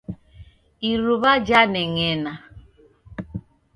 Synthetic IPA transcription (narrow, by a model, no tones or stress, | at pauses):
iɾuβad͡ʒaneŋena